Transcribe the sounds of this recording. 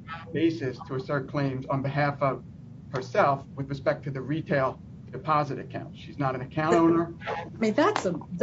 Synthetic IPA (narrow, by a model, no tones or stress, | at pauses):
b̥eɪsɨstʰəːsɜ˞t̚kʰl̥ẽɪ̃mzn̩bɨɦæfʌv̥ | hə˞sɛlˠfwɨðɹɨspɛk̚tʰɨðɨɹitʰeɪlˠ | dɨpʰɑzɨɾɨ̰kʰãʊ̃ntʃiznəɾɨ̃nɨkʰãʊ̃tõʊ̃nə˞miðætsəð